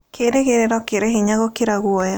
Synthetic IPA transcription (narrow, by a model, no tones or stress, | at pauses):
kʰeɾeɣeɾeɾɔkeɾeɦiɲaɣokeɾaɣwɔja